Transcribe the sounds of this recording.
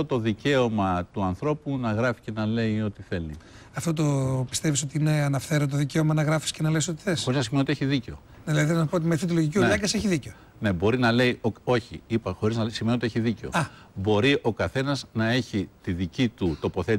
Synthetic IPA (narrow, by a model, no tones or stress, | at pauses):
ot̪o̞ðice̞omɐt̪uɐnθɾo̞punɐɣɾɐfi̥ce̞nɐle̞io̞t̪iθe̞lḭɐft̪o̞t̪opi̥st̪eviso̞t̪iine̞ɐnɐfθe̞ɾot̪oðice̞omɐnɐɣɾɐfi̥sce̞nɐleso̞t̪i̥θe̞soɾizɐsimeniot̪ieçiðiceo | nɐlɐððinɐspot̪imeθit̪uloʝiciʎɐɡɐseçiðiceo | ne̞bo̞ɾinɐle̞ioo̞çiipɐxo̞ɾiznɐsːimeniot̪ieçiðice̞oɐ | bo̞ɾiʔo̞kɐθe̞nɐznɐe̞çit̪iðicit̪ut̪o̞po̞θet̪i